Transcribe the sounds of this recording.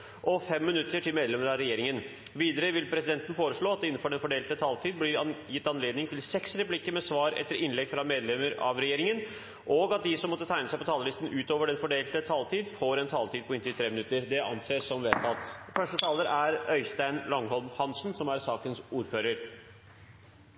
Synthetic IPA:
ʔɔfɛmːɪnʉt̪ːəʈʰɪlmeːd̪lɛməɾɑɾɛjeːɾɪŋənʋiːd̪əɾəʋɪlpʰɾɛsɪd̪ɛnt̪ən̩foːɾəʂɭoːɑt̪̚d̪ɛɪnːn̩fɔɖɛnfɔɖeːlt̪ət̪ʰɑːlt̪ʰiːd̪̚blɪɾjɪt̪ːɑnleːd̪nɪŋt̪ʰɪlsɛksɾɛplɪkːəɾmɛsʋɑːɾɛ̰t̪ːəɾɪnlɛɡfɾɑmeːd̪lɛməɾɑ̰ʋɾɛjeːɾɪŋən | ʔɔɡɑt̪̚d̪ɪsɔmːɔt̪ːət̪ʰæɪnəsæɪpɔt̪ʰɑːləlɪst̪ən̩ʉːt̪oːʋəɖɛnfɔɖeːlt̪ət̪ʰɑːlt̪ʰiːd̪foːɾɛnt̪ʰɑːlt̪ʰiːd̪̚pɔɪnt̪ʰɪlt̪ʰɾeːmɪnʉt̪ːəɾd̪ɛʔɑ̰nseːsɔmʋɛlt̪ʰɑt̪ːfœʂʈət̪ʰɑːləɾʔæɾœʏst̪æɪnlɔŋhɔlmhɑnsn̩sɔmæɾsɑːkənsuːɾføːɾəɾ

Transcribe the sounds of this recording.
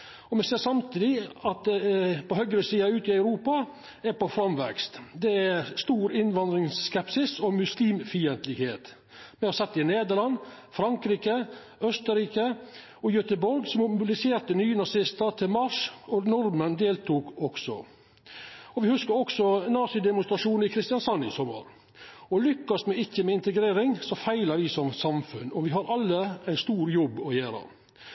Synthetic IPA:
ɔmɛseːsɑmt̪ʰiːd̪ɪɑt̪̚d̪ɛpɔhœɡɾəsiːɑʉːt̪ɪɑʉɾuːpɑ | æɾpɔfɾɑmʋɛ̰kst̪d̪ɛæst̪uːɾɪnʋɑnd̪ɾɪŋskɛpsɪsɔmʉsliːmfiːənt̪lɪɡheːt̪ | mɛhɑsɛt̪ːɪneːd̪əlɑnː | fɾɑŋkɾiːkə | œst̪əɾiːkə | ɔjœt̪əbɔɾɡsɔmʊbɪlɪseːɾt̪ənyːənɑsɪst̪əɾt̪ʰɪlmɑʂɔnɔɾmənd̪eːlt̪ʰuːkɔksɔ̰ | ɔʋɪhʉskəɾɔksɔnɑːsɪd̪ɛmʊnst̪ɾɑʂuːnɪkʰɾɪst̪ɪjɑnsɑnːɪ̰sɔmːə̰ɾ | ɔlʏkːɑsmɛɪçːəmɛɪnt̪əɡɾeːɾɪŋsɔfæɪləɾʋɪsɔmsɑmfʉnɔʋɪɦɑɾʔɑlːəæɪst̪uːɾjɔbːɔjeːɾə̰

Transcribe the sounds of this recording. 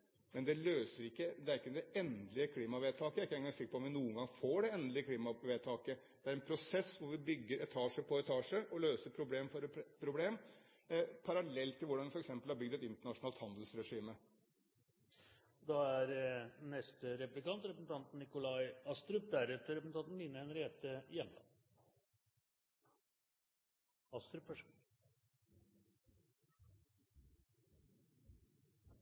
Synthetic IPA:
mɛnd̪ɛløːsəɾɪkːəd̪ɛæɾɪkːəd̪ɛɛnd̪lɪəkʰliːmɑʋeːt̪ʰɑːkəæɾɪkːəɛŋɡɑŋsɪkːəpɔmʋɪnuːəŋɡɑŋfoːɖɛɛnd̪lɪəkʰliːmɑʋeːt̪ʰɑːkə | d̪̥ɛæɾɛnpʰɾʊsɛsːʋʊɾʋɪbʏɡːəɾɛt̪ʰɑːʂəpʰɔɛt̪ʰɑːʂəʔɔløːsəpʰɾʊbleːmfɔɾpʰɾʊbleːm | pʰɑɾɑlɛlt̪ʰːɪlʋʊɖɑnʋɪfɔɾɛksɛmpəlhɑɾbʏɡd̪ɛt̪ɪnt̪əɳɑʂʊnɑlt̪hɑnd̪əlsɾɛʂiːmə | d̪ɑæɾnɛst̪əɾɛplɪkɑnt̪ɾɛpəsn̩t̪ʰɑnt̪n̩ɪkʊlɑɪɑst̪ɾʉp̚d̪æɾɛt̪əɾɛpəsn̩ɑnt̪n̩lɪnəɛnɾeːt̪əjɛmlɑ̰n | ɑst̪ɾʉpfœʂ

